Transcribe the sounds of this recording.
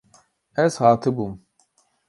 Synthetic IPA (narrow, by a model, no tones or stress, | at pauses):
ɛshaːt̪ʰɨbum